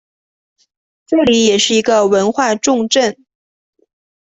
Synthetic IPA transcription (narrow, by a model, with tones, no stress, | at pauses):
ʈ͡ʂɤ˥˩li˨˧˥jɛ˨˩ʂɻ̩˥˩i˧˥ɡə˧wə˧˥nxwa˥˧ʈ͡ʂʊ˥˧ŋʈ͡ʂə˥˩n